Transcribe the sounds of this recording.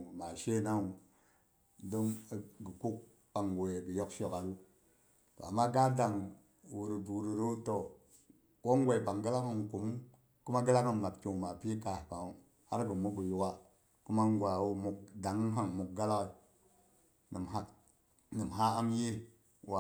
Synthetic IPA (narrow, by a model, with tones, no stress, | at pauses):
ma˨ʃe˦˨na˦u˨ | du˦m˨ɡə˨ku˦k̚ | ba˨ŋɡo˨e˨bi˨jo˦kʃo˨ka˨lu˦ | to̰˨a˨mːa˦ɡa˦da˨ŋ | wu˨ɾu˨du˨ɾu˨ɾu˦to˨ | ko˦ŋ˦ɡʷe˨i˨ba˨ŋɡə˦la˦kə˦nku˨m˦ | ku˦ma˦ɡə˦la˦kə˨nma˨bt͡ʃo˨ma˨pi˦ka˨pa˨ŋu˨ | ha˦ɾɡə˨mu˦ɡə˨ju˦wa˦ | ku˦ma˦ŋ˦ɡʷa˨wu˦mu˨kda˨ŋə˦nɦa˨ŋmu˨k̚ɡa˦la˦wa˨ | nə˨ma˦ | nə˨mɦa˦a˦mje˦ | wa˨